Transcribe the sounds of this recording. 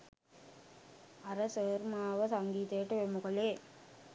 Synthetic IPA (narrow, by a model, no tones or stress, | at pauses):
ɐɾɐsəɾmaːʋɐsɐŋɡiːt̪eːʈːɯʋemʊkɐleː